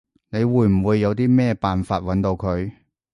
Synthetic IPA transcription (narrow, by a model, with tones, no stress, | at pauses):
ne˨˧jwuː˧jm̩˨˩wuː˨˧jːɐ˨˧wt̪iː˥mɛː˥paː˨nfaː˧t̚wɐ˨˥nt̪o˧wkʰɵ˨˧ɥ